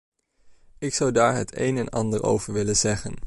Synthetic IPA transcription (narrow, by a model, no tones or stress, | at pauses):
ɪksɑwdaːɹɦətʰḛjnɛnɑ̰ndəɹʔo̰wvəɹʋɪlənzɛχən